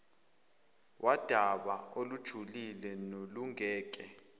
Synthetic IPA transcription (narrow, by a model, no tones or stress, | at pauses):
wʔad̥ʱaɓaolud̥ʒ̥ʱulilɛnoluŋʱɛːk̬ʼɛ